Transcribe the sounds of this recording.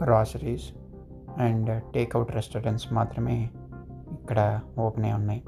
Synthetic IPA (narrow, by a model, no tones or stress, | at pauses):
kɾaːsɪʈiːz | ɛ̃ɳɖʈeːkaʊʈɾesʈoɾẽɳʈsmaːt̪ɾəmẽː | ɪkːəɽaoːpneʊnːaĩ